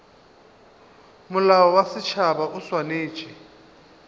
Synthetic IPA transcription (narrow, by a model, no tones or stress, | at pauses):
mʊlaɔwasɪt͡ʃʰabaʔʊswaneːt͡ʃʼɛ